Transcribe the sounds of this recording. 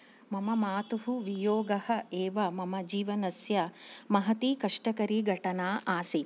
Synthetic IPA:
mɐmɐmaːt̪uɦuʋijoːɡɐhɐ̆eːʋɐmɐmɐd͡ʒiːʋɐnɐsjɐmɐɦɐt̪ikɐʂʈɐkɐɾiɡʱɐʈɐnaːʔaːsi

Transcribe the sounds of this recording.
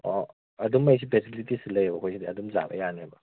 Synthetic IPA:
ɔ | ɐd̪umːɐjs̬ʰipʰesibilitisilɐjebɐkʰojsʰidiɐdumza̰bɐ̰janebɐ

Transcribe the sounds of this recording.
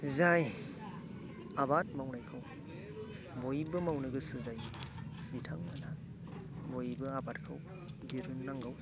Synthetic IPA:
zaj | abat̚mawnajkʰaw | bojbɐmawnɯɡɯsɯzaj | mitʰaŋmana | bojbɐabat̚kʰaw | ɡiɾunːaŋɡaw

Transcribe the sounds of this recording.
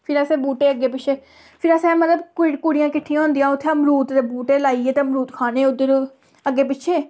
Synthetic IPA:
pʰɪɾaseːbuːʈeːəɡːeːpɪt͡ʃʰeː | pʰɪɾəsɛ̃ːmət̪ləbkkʊɽɪjãːkɪʈʰːijãːõːnd̪ijãːʊt̪ʰːeəmɾuːt̪d̪eːbuːʈeːlaːieːt̪emɾuːt̪kʰaːneːʊd̪əɾ | əɡːeːpɪt͡ʃʰeː

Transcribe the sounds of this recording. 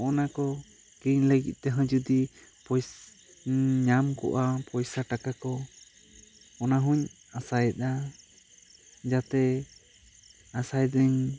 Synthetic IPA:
ʔɔnakɔ | kiɲləɡḭt̪̚t̪ɛɦə̃d͡ʒud̪ipɔj | ɲamkɔ̰ʔapɔjsaʈakakɔ | ɔnaɦuɲ | asajɛt̪̚a | d͡ʒat̪ɛ | asajd̪ɛɲ

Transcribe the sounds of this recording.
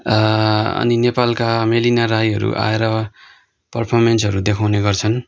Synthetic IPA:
ʌ̰ninepalkamelinarajɦʌɾṵʔa̰eɾʌ | pʌrpʰʌrmensɦʌɾud̪ekʰawneɡʌrt͡sʰʌn

